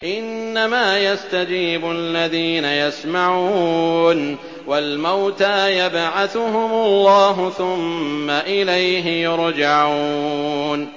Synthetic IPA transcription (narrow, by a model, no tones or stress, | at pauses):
ʔɪnːamaːjast̪ad͡ʒiːbʊalːaðiːnajasmaʕuuːn | walmawt̪aːjabʕaθʊhʊmalːɑːɦʊθʊmːaʔɪlajɦɪjʊɾd͡ʒaʕuuːn